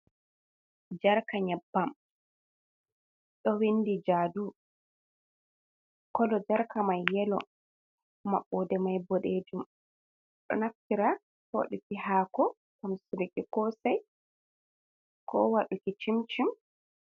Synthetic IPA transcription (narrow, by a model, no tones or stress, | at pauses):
d͡ʒaɾkaɲabːam | ɗɔwinːdid͡ʒaːdu | kɔlɔd͡ʒaɾkamajːɛlɔ̰ | maɓːɔdɛmajbɔɗed͡ʒum | ɗɔ̰naftiɾa | hwa̰ɗukihaːkɔ | kamsuɾikikɔsaj | kɔwaɗukit͡ʃimt͡ʃim